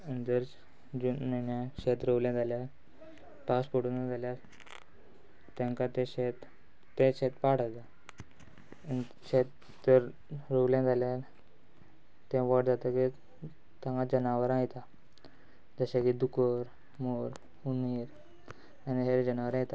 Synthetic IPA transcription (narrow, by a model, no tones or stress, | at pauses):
ənd͡zəɾ | d͡ʑunmənjãɕet̪ɾəʋljãd͡zalja | paspəɽunad͡zaljaɾ | t̪ãŋkat̪ẽɕet̪ː | ẽɕet̪paɽ̤ət̪a | ni | ɕet̪ː | əɾ | ɾəʋljãd͡zʱalja | t̪ɛ̃ʋəʈd͡zat̪aki | t̪ãŋkad͡ʑənaʋəɾãjt̪a | d͡zəɕakid̪ukəɾ | moɾ | uniɾ | aniɦeɾd͡ʑənaʋəɾãjt̪a